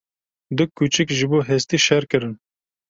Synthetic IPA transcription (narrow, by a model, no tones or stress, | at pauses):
d̪ɨkʰːut͡ʃɨkʒɨboːɦɛst̪iːʃɛɾkɨɾɨn